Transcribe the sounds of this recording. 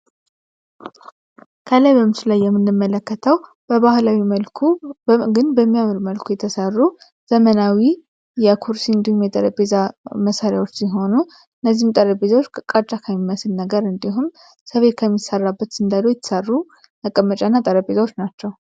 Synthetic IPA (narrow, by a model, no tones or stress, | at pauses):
kʰəlajbəmɨsulajːɛmːɨnːɨmːələkːət̪ʰəw | bəβahlawiməlkʰuɡɨnbəmːijamɾməlkʰujɛt̪ʰəsərːu | z̥əmənawi | jɛkʰuɾsiɨnd̪ihumjɛt̪ʼəɾəbezaməsaɾjawot͡ʃːsiɦo̞nu | ɨnːəzːihmt̪ʼəɾəbezawot͡ʃːkkʼat͡ʃʼakʰəmːiməsɨlnəɡəɾɨnd̪iɦum | səβe̞t̪kʰəmːisərːabːət̪sɨnd̪alːojɛt̪ʰːə̥sərːu | məkʼəmːət͡ʃʼanːat̪ʼəɾəbʼezawo̞t͡ʃːnat͡ʃːɛw